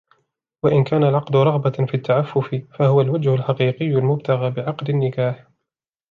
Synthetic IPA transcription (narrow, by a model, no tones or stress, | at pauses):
waʔɪnkaːnalʕɑqd̪ʊɾˤɑɣbafiːt̪ʰːaʕafːʊfɪfahʊwalwad͡ʒhʊlħaqiːqɪjːʊlmʊb̚t̪ʰaɣaːbɪʕɑqd̪anːɪkaːħ